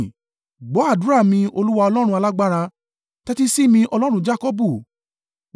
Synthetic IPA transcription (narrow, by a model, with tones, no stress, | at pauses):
ɡ͡bɔ˨˦a˦˨du˨˦ɾa˦˨mĩ˧o˧lu˦wa˧ɔ˧lɔ˦ɾ̃ũ˧˦a˧la˦ɡ͡ba˦ɾa˧ | tɛ˦ti˦si˦mĩ˧ʔɔ˧lɔ˦ɾ̃ũ˧d͡ʒa˦kɔ˦bu˦˨